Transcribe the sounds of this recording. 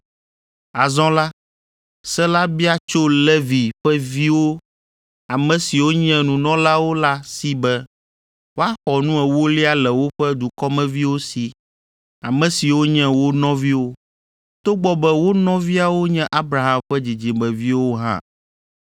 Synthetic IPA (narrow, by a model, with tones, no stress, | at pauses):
a˨zɔ̃˦la˦ | sɛ˦la˦bi˦a˦t͡ʃo˦lɛ˦vi˨ɸɛ˦vi˦wo˦ | a˨mɛ̃˨si˨wo˦ɲɛ̃˦nũ˨nɔ̃˦la˦wo˦la˦si˦bɛ˦ | wo˦a˦xɔ˨nũ˦ɛ˨wo˦li˦a˦lɛ˨wo˦ɸɛ˦d̪u˨kɔ˦mɛ̃˦vi˦wo˦si˨ | a˨mɛ̃˨si˨wo˦ɲɛ̃˦wo˦nɔ̃˦vi˦wo˦ | t̪o˦ɡ͡bɔ˦bɛ˦wo˦nɔ̃˦vi˦a˨wo˦ɲɛ̃˦ʔa˦bɾa˨ɦã˨mɸɛ˦d͡ʑi˨d͡ʑi˨mɛ̃˨vi˦wo˦ɦã̰˦˨